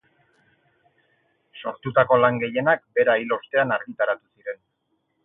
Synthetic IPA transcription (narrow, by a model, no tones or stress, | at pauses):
so̞̰ɾt̪ut̪ako̞laŋɡe̞je̞nak̚be̞ɾailo̞st̪e̞anaɾɣit̪aɾat̪usiɾe̞n